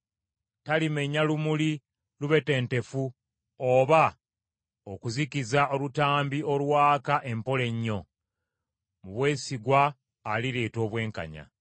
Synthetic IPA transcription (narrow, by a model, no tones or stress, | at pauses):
talime̞ɲalumuli | luβe̞te̞ːnte̞fu | oβa | okuzikizaʔo̞lutaːmbio̞lwaːkaʔe̞mpo̞le̞ɲːo̞ | muβwe̞ːsiɡwaː | liɾeːto̞ːβwe̞ːŋka̰ɲa̰